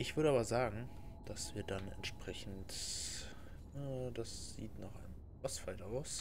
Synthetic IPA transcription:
ʔɪçv̥ʏɐɾəaːbɐzaːɡŋ̩ | d̥asv̥iːɐdanɛ̰ntʃpʁ̥ɛçn̩t | aːd̥asz̥iːtnaːχʔaɪnə | asfaltʔaʊs

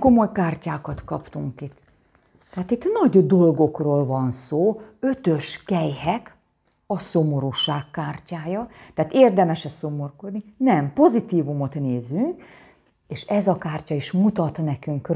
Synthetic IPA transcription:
ko̞mo̞jkaːrcaːkɒt̪kɒpt̪uŋkit̪ː | ɛaːt̪it̪nɒɟd̪o̞lɡo̞kroːlvɒnsoːø̞t̪ø̞ʃkɛjhɛk | ɒso̞mo̞ɾuːʃaːkːaːrcaːjɒt̪ɛaːt̪eːrd̪ɛmɛʃɛso̞mo̞rko̞d̪ninɛmpo̞zit̪iːvumo̞t̪neːzyŋk | eːʃɛzɒkaːrcɒiʃmut̪ɒt̪nɛkyŋk

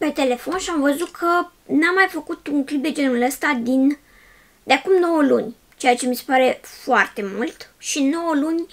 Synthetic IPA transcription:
pe̞t̪e̞le̞fo̞nʃiamvəzut̪̚kʰə | namːajfəkut̪uŋklip̚d̪ed͡ʒenuləst̪ad̪in | d̪̥eakumno̞wəlunʲ | t͡ʃe̞jat͡ʃe̞misepaɾe̞foart̪e̞mult̪ʃino̞wəlunʲ

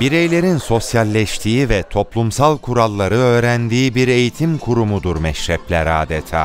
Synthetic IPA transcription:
biɾejlʲe̞ɾinso̞sjalʲːɛʃt̪ʰiːivɛt̪ʰo̞plˠumsalˠkʰuɾalˠːaɾɯø̞ːɾænd̪iːbiɾe̞jit̪ʰimkʰuɾumud̪uɾmɛʃɾɛflʲæɾaːd̪ɛt̪ʰa̰ː

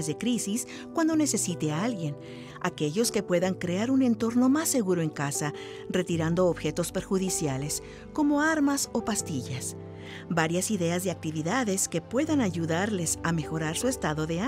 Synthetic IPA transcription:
ezðe̞kɾisis | kwand̪o̞ne̞se̞sit̪e̞alɡje̞n | ake̞ʝo̞ske̞pwe̞ðaŋkɾe̞aɾune̞nt̪o̞ɾno̞masːe̞ɣuɾo̞e̞ŋkasa | re̞t̪iɾand̪o̞ːβxe̞t̪o̞spe̞ɾxuðisjale̞s | ko̞mo̞aɾmaso̞past̪iʝas | baɾjasiðe̞azðe̞ak̚t̪iβiðaðe̞ske̞pwe̞ðanaʝuðaɾle̞same̞xo̞ɾaɾsue̞st̪aðo̞ðea

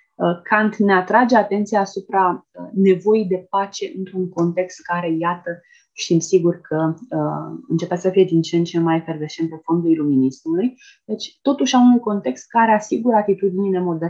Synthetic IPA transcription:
əkʰant̪ne̞at̪ɾad͡ʒe̞at̪e̞nt̪sijaːsupɾane̞vo̞jid̪e̞pat͡ʃe̞ʔɨnt̪ɾuŋko̞nt̪e̞kst̪̚kaɾe̞jat̪ə | ʃt̪imsiɡurkʰəəɨnt͡ʃe̞peat̪səfije̞d̪int͡ʃeːnt͡ʃe̞mːajferve̞ʃt͡ʃe̞nt̪efo̞nd̪uiluminismuluj | d̪e̞t͡ʃʲt̪o̞t̪uʃʲaunujko̞nt̪e̞kst̪̚kaɾeasiɡuɾəat̪it̪ud̪inine̞mo̞d̪e

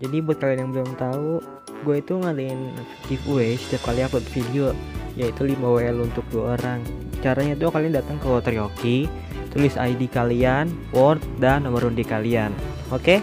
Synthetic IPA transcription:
d͡ʒadibuat̪̚kalianjaŋbəlʊmt̪au | ɡuait̪uŋadaɪn | t̪ifwesə̥t̪iap̚kaliakut̪fidiojait̪ulimaweɛlunt̪ʊk̚duaoɾaŋ | t͡ʃaɾaɲat̪̬ukaliandat̪əŋkəwɔt̪ɾioki | t̪ulɪsajdikalianwɔrt̪̚danːomərɾundikalian | oke

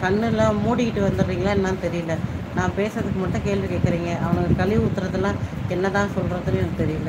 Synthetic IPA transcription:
kɐɳːɯlːãːmuːɽɪkɪʈːɯʋɐnd̪ɯɾɾiːŋɡɐɭaːɛnːɐat̪ɛɾɪjɯlːɐ | nãːpeːsɾɐðɯkːɯmɐʈːʊ̃keːɭʋikeːkːɪɾiːŋɡɐʔɐʋɐnɐkkɐlɪʊt̪ːɯɾɐðːɐlːãːɛnːɐt̪ãːsɔlɾɐðɯnɛnɐkɯt̪ɛɾɪjɯlːɐ

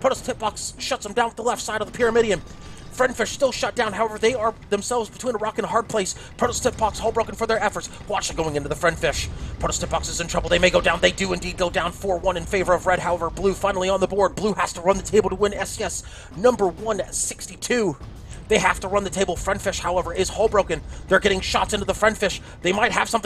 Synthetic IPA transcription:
pʰoʊɾstʰɪp̚b̥ɑksʃʌtsðə̃m̩dãʊ̃nt̪̚ðəlɛftsaɪɾʌvðəpʰɪɹɨmɪɾiɨ̃n | fɹɛ̃nd̥fɪʃstɪlˠʃʌt̚d̥ãʊ̃nɦaʊɛvə˞ðeɪə˞ðɨ̃msɛlˠvzbɨtʰwĩnəɹɑkɨ̃nəɦɑɹd̚pʰl̥eɪs | pʰɹ̥oʊɾstʰɪp̚b̥ɑkshoʊbɹoʊkɨ̃nfə˞ðə˞ɛfə˞ts | wɑt͡ʃɨɡoʊɪ̃ŋɪ̃ntʉðəfɹɛ̃nd̥fɪʃpʰoʊɾ̩ˠstʰɪp̚b̥ɑksɨzɨ̃ntʰɹ̥ʌbl̩ˠðeɪmeɪɡoʊdãʊ̃nðeɪdɨɨ̃ndid̚ɡoʊdãʊ̃nfɔɹwʌ̃nɨ̃nfeɪvə˞ʌvɹɛd̚ɦaʊɛvə˞blʉfãɪ̃nl̩ˠiə̃nðəbɔɹd̚bluhæstəɹʌ̃nðɨtʰeɪbl̩ˠtəwɪ̃nɛsɛs | nʌ̃mbə˞wʌ̃nsɪkstitʰʉ | ðeɪɦæftəɹʌ̃nðɨtʰeɪbl̩ˠfɹɛ̃nd̥fɪʃhaʊɛvə˞ɪz̥hoʊlˠbɹoʊkɨ̃nðə˞ɡɛɾɪ̃ŋʃɑtsɪ̃ntʉðəfɹɛ̃nd̥fɪʃ | ðeɪmaɪt̚həv̥sʌ̃mθ

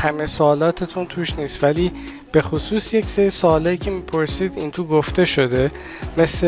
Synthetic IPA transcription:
hæmesoːlɒːt̪ʰet̪ʰunt̪ʰuːʃniːst̪væliː | b̥e̞xosuːsje̞cseɾisoːlɒːiːcʰe̞miːpʰo̞ɾsiːd̪int̪ʰoɡoft̪e̞ʃo̞d̪e̞ | me̞sle

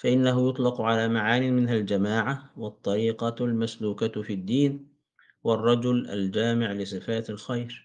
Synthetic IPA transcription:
faʔɪnːaɦʊjʊt̪ˤlɑqʕalaːmaʕaːniːmɪnɦald͡ʒamaːʕawɑt̪ˤːɑɾiːqɑlmasluːkafid̪ːiːn | wɑrˤːɑd͡ʒʊla̰ld͡ʒaːmɪʕlɪs̬ˤɨfaːt̪alxajɾ

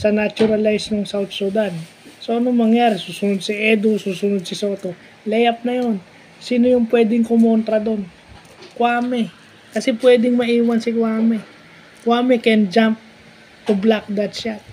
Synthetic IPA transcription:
sɐnat͡ʃʊɾɐlajsnoŋsawt̪̚sud̪an | soʔɐnoŋmɐŋjaːɾɪsuːsʊnod̪̚siʔɛd̪osuːsʊnod̪̚sɪso̞t̪o̞ | lɛjɐp̚nɐjo̞n | siːnojʊŋpwɛːd̪ɪŋkomont̪ɾɐd̪o̞n | kwaːmɛ | kɐsɛpwɛːd̪ɪŋmɐʔiːwɐnsɪkwaːmɛ | kwaːmɛkɛnd͡ʒamp̚ | t̪ʊblak̚d̪ɐt̪ʃat̪̚

